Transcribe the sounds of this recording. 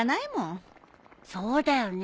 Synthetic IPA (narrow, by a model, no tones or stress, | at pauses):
naimõ | soːd̪ajon